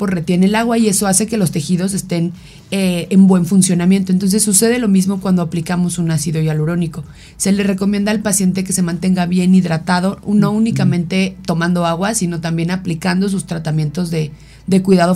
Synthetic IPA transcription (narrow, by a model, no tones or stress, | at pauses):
posre̞t̪je̞nelaɣwaie̞so̞aseke̞lo̞st̪e̞xiðo̞s̬e̞st̪e̞n | eembwe̞ɱfunsjo̞namjent̪oent̪o̞ns̬e̞sːuse̞ðe̞lo̞mizmo̞kwand̪o̞aplikamo̞sunasiðojaloɾo̞niko̞ | se̞le̞re̞ko̞mjẽnd̪aːlpasje̞nt̪e̞ke̞se̞mãnt̪e̞ŋɡaβje̞niðɾat̪að̞o̞no̞unikamẽnt̪e̞t̪o̞mãnd̪o̞aɣwasino̞t̪ambje̞naplikand̪o̞s̬ust̪ɾat̪amje̞nt̪o̞zðe̞ | ðe̞kwiðaðo̞